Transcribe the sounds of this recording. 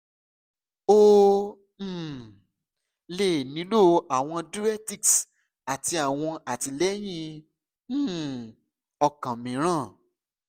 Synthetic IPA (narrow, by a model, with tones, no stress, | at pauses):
o˦˨ | le˦˨nĩ˨˦lo˦˨a˨w̃ɔ̃˧du˦ɾɛ˦ti˦ks | a˨ti˧a˨w̃ɔ̃˧a˨ti˧lɛ˦j̃ĩ˦˨ | ɔ˧kã˨mĩ˨˦ɾ̃ã˦˨